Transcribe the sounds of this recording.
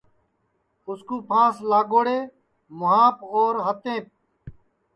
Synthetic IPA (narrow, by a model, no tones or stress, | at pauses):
ʊskuːpʰãːslaːɡoːɽeː | mʊɦaːpoːɾɦət̪ẽːp̚